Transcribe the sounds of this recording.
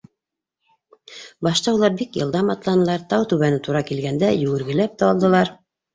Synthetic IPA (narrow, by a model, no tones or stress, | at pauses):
bɑʃt̪ɑulˠɑɾbikjɤ̆lˠd̪ɑmɑt̪lˠɑnɤ̆lˠɑɾt̪ɑwt̪ʉβænɘt̪uɾɑkilɡænd̪æjɵ̆ɡɘ̆ɾɡɘ̆læp̚t̪æɑlˠd̪ɤ̆lˠɑɾ